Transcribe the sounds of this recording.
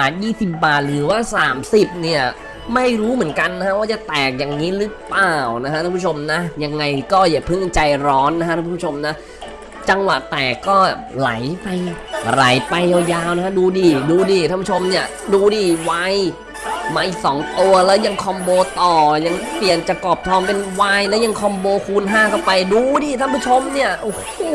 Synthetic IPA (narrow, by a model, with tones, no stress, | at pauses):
ʔaː˨˩t̪̚jiː˥˩si˨˩p̚baː˨˩t̪̚ɾɯː˩˦waː˥˩saː˩˦msi˨˩p̚ni˥˩ɐ | ma˥˩jɾuː˦˥mɯ˨˩˦nka˧nːa˦˥kʰa˦˥waː˥˩t͡ɕa˨˩t̪ɛː˨˩k̚ja˨˩ŋːiː˦˥ɾɯ˦˥plaː˨˩wna˦˥kʰa˦˥a˥˧˩pːʰo˧mna˦˥ja˧ŋːa˧jkɔː˥˩ja˨˩pʰɯ˥˩ŋt͡ɕa˧jɾɔː˦˥nːa˧˥kʰa˥aː˥˧˥o˧mna˦˥ | t͡ɕa˧ŋwa˨˩t̪ɛː˨˩kːɔː˥˩la˨˩˦jpa˧jɾa̰˩˦jpa˧ja˧˩jaː˧wna˧˥kʰa˦˥duː˧diː˧˩duː˧diː˧˩t̪ʰa˥˩pu˥˩o˧mni˥˩ɐ | duː˧diː˧˩waː˧j | maː˧ʔiː˨˩k̚sɔː˩˦ŋt̪u˧ɐlɛː˦˥wja˧ŋkʰɔ˧mboː˧t̪ɔː˨˩ja˧ŋpi˨˩ənt͡ɕa˨˩kɔː˨˩p̚t̪ʰɔː˧mpe˧nwaː˧jlɛː˦˥wja˧ŋkʰɔ˧mboː˧kʰuː˧nɦaː˥˩kʰa˥˩pa˧jduː˧diː˧˩t̪ʰa˥˩puː˥˩t͡ɕʰo˧mni˥˩ɐʔo˧˩h